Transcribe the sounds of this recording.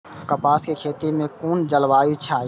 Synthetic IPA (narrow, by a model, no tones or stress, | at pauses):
kəpaːskeːkʰeːt̪eːmẽːkuːnd͡ʒəlʋaːit͡ʃʰaː